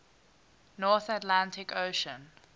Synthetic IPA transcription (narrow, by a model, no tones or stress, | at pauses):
nɔːˑθatlãntʰɪkʰoʃə̃n